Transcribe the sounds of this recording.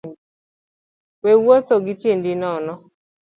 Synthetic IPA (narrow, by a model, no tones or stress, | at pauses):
wewot̪oɡɪtjendɪnɔnɔ